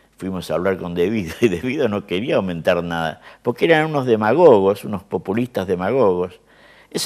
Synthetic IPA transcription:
fwimo̞saːβlaɾko̞nd̪e̞βiðoiðeβiðono̞ke̞ɾiaːwmẽ̞nt̪aɾnaða̰poɾkeeɾanunozðe̞maɣoɣo̞sunospo̞pulist̪azðe̞maɣoɣo̞s | es

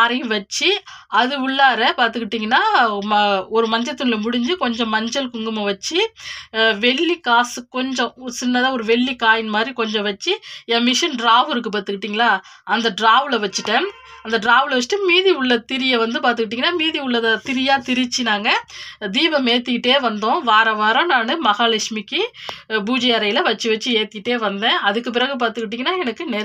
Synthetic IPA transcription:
aːɾɐʋɐt͡ʃːi | ɐðɯʊɭːaːɾɛpaːɾt̪ɯkːɪʈːiːŋɡɐnːaː | ɔɾɯmɐɲd͡ʒɐt̪ːɯnɪlɐmʊɽɪɲd͡ʒɯkɔɲd͡ʒɔ̃mɐɲd͡ʒɐlkʊŋɡɯmɐʋɐt͡ʃːi | ʋɛɭːikaːsɯkɔɲd͡ʒɔ̃sɪnːɐðaːɔɾɯʋɛɭːikaːjɪnmaːd̪ɾikɔɲd͡ʒɔ̃ʋɐt͡ʃːiɛ̃ːmɪʂɐnɖɾaːʋɯɾɯk̬ːɯpaːɾt̪ɯkːɪʈːiːŋɡɐlaː | ɐnd̪ɐɖɾaːʋɯlɐʋɐt͡ʃːɯʈːẽː | ɐnd̪ɐɖɾaːʋɯlʋɐt͡ʃːɪ̥ʈːɯ̃miːðiʊɭːɐt̪ɪɾɪjɐʋɐnd̪ɯpaːɾt̪̬ɯkːɪʈ̬ːiːŋɐnːaːmiːðiʊɭːɐðɐt̪ɪɾɪjaːt̪ɪɾɪt͡ʃːinaːŋɡɐd̪iːbɐmeːt̪ːɯkɪʈːeːʋɐnd̪õːʋaːɾɐʋaːɾɐ̃naːnɯmɐɣaːlɐkʂmɪkːɯbuːd͡ʒɐjɐɾɐjɪlɐʋɐt͡ʃːɯʋɐt͡ʃːɯeːt̪ːɪkɪʈːeːʋɐnd̪ẽːɐðɯkːɯp̬ɪɾɐɣɯp̬aːɾt̪ɯkːɪʈ̬ːiːŋɡɐnːaːɛnɐkːɯnɛ

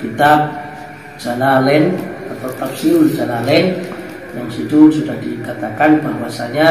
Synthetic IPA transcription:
pit̪ap̚ | d͡ʒ̥analɛnat̪awt̪apsiuld͡ʒanalɛn | jaŋsit̪usudahdikat̪akanbaɦuwasaɲa

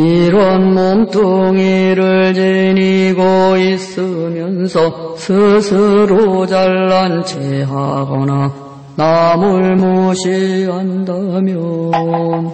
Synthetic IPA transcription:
iɾʌnmomtʰoŋiɾɯɭt͡ɕiniɡois͈ɯmjʌnsʰʌsʰɯsʰɯɾod͡ʑaɭːant͡ɕʰeɦaɡʌna | namuɭmoɕʰiɦandamjʌ | n

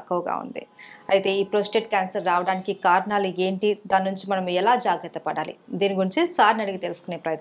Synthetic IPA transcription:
ɐkːɐʋɡa̰ːṵnd̪ḭɐ̰jt̪e̞ːiːpɾoːsʈe̞ːʈ̚kʲaːnsɐɾːaːʋɐɽaːnikikaːɾɐnaːlue̞ːɳʈid̪aːnːuɲt͡ʃimɐnɐmɛlaːd͡ʒaːɡɾɐt̪ːɐpɐɽaːlḭd̪iːniɡuɾiɲt͡ʃisaːɾnɐɽiɡit̪e̞lusu̥kuneːpɾɐːjɐt̪

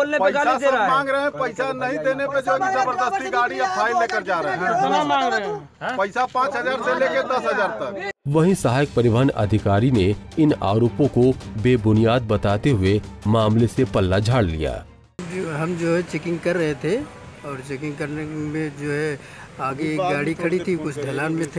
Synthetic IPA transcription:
oːlnepɡamãːŋɡɾɐɦɛ̃pɐɪsanɐɦĩd̪eːneped͡ʒoːɦɛisɐbəɾd̪ɐst̪iɡaːɽijapʰaːɪlːeːkəɾd͡ʒaːɾɾɐɦamãːɡɾɐɦ | pɐɪsapãːt͡ʃɦɐzaːɾseleːked̪ɐsɦɐzaːɾt̪ɐkʋɐɦĩsɐɦaːjək̚pɐɾɪʋaɦənɐ̰d̪ʱɪkaːɾineɪna̰ːɾoːpõkobeːbʊnijaːd̪̚bɐt̪aːt̪eɦʊemaːmlesepɐlːad͡ʒʱaːɽlḭja̰ː | ɦɐmd͡ʒoːɦɛt͡ʃɛkɪ̃ŋɡkɐɾːəɦet̪ʰe | ɔːɾt͡ʃɛkɪ̃ŋɡkɐɾnemẽd͡ʒoːɦɛ | aːɡeɡaːɽikʰɐɽit̪ʰikʊt͡ʃʰd̪ʱɐlaːnmẽt̪ʰe

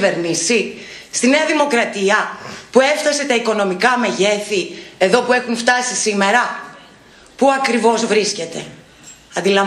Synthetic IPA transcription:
ve̞ɾnisi | st̪ine̞ɐðimo̞kɾɐt̪iɐpue̞fθɐse̞t̪ɐiko̞no̞mikɐme̞ʝe̞θie̞ðo̞pue̞xuɱft̪ɐsisime̞ɾɐ | puɐkɾivo̞zvɾisce̞t̪e̞̰ | ɐnd̪ilɐ

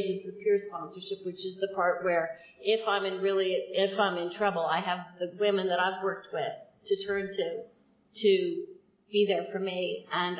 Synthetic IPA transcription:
d͡ʒɨ̃nzɨ̥pʰʊɹspɑ̃nsə˞ʃɨp̚wɨt͡ʃɨzðɨpʰɑɹʔ̚wə˞ | ɪfãɪ̃mɨ̃nɹɪlˠiɪfãɪ̃mɨ̃ntʰɹ̥ʌbl̩ˠaɪɨvðɨwɪ̃mɨ̃nðɨɾaɪvwɜ˞k̚t̚wɪð̥tʰɨtʰɜ̃˞ntʰʉ | ɾɨ | b̥iðə˞fə˞miɨ̃n

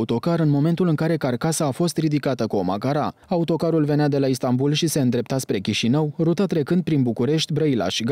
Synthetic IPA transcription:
ut̪o̞kaɾɨnmo̞me̞nt̪ulɨŋkaɾe̞karkasaːfo̞st̪rid̪ikat̪əkuo̞ma̰kaɾaaut̪o̞kaɾulve̞nead̪e̞laist̪ambulʃise̞ɨnd̪ɾe̞p̚t̪aspɾe̞kʲiʃinəwrut̪at̪ɾe̞kɨnd̪̚pɾinbukuɾe̞ʃt̪ʲbɾəila̰ʃɡ

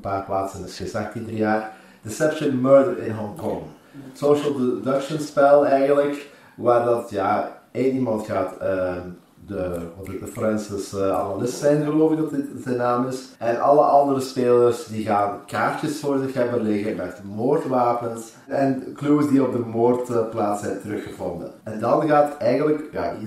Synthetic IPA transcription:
paːrplaːtsənɪsxɪsaxtindərjaːr | d̥əsɛpʃənmɜːɹdəɹɪ̰nɦɔŋkɔŋ | əsoʃəlˠddəkʃənspɛlˠɛjɣənlək | ʋaːrdɑtjaeːnimɑntxaːtə | əɔdəfrɛnsɪsɑ̰nalɪstsɛjnɣəloːvɪk̚ɔdɪtsɛnaːmɪs | ʔɛnʔɑ̰lˠəʔɑndəɾəspeːlərsdiɣaːnkaːrtəsfɔrdəxavərleːɣəəmɛtəmoːrtʋaːpəns | ɛnkluəsdiɔb̚dəmoːrtːplaːtsɛjntəɾɵxəvɔ̰ndə̰nɛndɑnɣaːtətɛjɣənləkja̰ː

